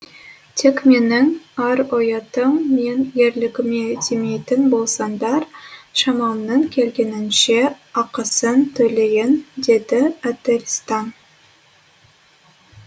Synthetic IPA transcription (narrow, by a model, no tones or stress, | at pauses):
t̪ʰe̞kme̞nɪŋɑɾojɑt̪əɴme̞njeɾlɪɡʲɪmet̪ʰemejt̪ɪnbo̞lˠsɑnd̪ɑɾʃɑmɑlˠnːəɴkʲʰe̞lɡʲe̞nɪnʃe̞ɑqəsənt̪ʰɵle̞jɪnd̪e̞d̪ɪæt̪eɾʲist̪ɑn